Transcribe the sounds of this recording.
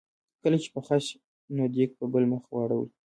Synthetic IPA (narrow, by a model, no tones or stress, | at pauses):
kəlat͡ʃe̥pəxaʃ | nod̪ek̚pəbəlməxwɑɽawḭ